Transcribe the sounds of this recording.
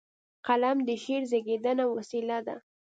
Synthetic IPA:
qalamd̪əʃeɾzeɡed̪ənawasilad̪a̰

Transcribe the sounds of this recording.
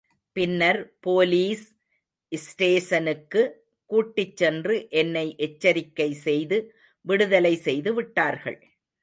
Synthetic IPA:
pɪnːɐɾpoːliːs | ʔɪsʈeːsɐnɯkːɯ | kuːʈːɪt͡ʃːɛndrɯʔɛnːɐɪʔɛt͡ʃːɐɾɪkːɐɪsɛjðɯ | ʋɪɽɯðɐlɐɪsɛjðɯʋɪʈːaːɾɣɐ̰ɭ

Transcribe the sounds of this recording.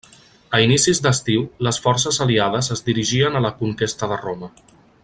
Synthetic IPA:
əinisizd̪əst̪iwləsfɔrsəzəliað̞əzəzd̪iɾiʒiənələkuŋt̪est̪əðəromə

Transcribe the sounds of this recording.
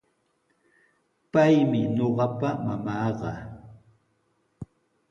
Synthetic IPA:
pajmɪɲoɢɑpamamɑːɢɑ̰

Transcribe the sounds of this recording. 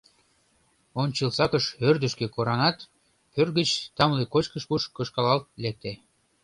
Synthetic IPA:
onʲt͡ɕəlsɑkəʃørd̪ə̆ʃkekoɾɑnɑt̪ | pørɣət͡ɕt̪ɑmlikot͡ɕkəʃpuʃkɤʃkɑlɑlt̪̚lek̚t̪e

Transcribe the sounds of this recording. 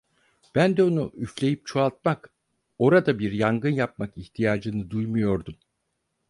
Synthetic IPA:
b̥ænd̪ɛo̞nuʔyflʲe̞jip̚t͡ʃʰoalˠt̪̚mak | o̞ɾad̪abiɾjaŋɡɯnjap̚makiçt̪ʰijaːd͡ʒɯnɯd̪ujmujo̞ɾd̪um

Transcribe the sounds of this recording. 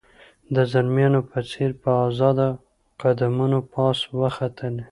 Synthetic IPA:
d̪əzalmjɑnopət͡seɾpəɑzɑd̪a | qad̪amunopɑswəxat̪ʰəl

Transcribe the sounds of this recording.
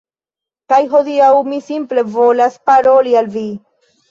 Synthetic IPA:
kajɦo̞diawmisimple̞vo̞laspaɾo̞lialvi

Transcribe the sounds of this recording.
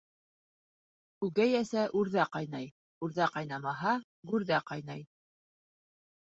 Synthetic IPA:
ʉɣæjæsæʔʉɾðæqɑjnɑj | ʉɾðæqɑjnɑmɑɦɑ | ɡʉɾðæqɑjnɑj

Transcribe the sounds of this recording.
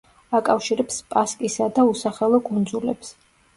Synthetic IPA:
akʼafʃiɾɛpspʼaskʼisad̪ausaχɛlˠɔkʼund̪zulɛps

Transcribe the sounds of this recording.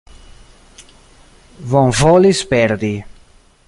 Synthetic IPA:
vɔ̃ŋvɔlispɛɾd̪i

